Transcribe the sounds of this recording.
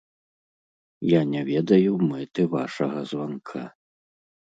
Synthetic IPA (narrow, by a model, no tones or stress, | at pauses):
janʲɛvʲɛd̪ɐjumɛt̪ɨva̰ʂɐɣɐzvankʰa